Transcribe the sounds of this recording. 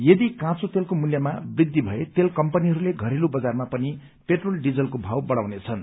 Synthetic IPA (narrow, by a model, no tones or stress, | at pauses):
jʌd̪ikãt͡sot̪elkomuljʌmabrid̪ʱːibʱʌet̪elkʌmpʌniɦʌɾuleɡʱʌɾelubʌd͡zarmapʌni | peʈrolɖid͡zʌlkobʱawbʌɽawnet͡sʰʌn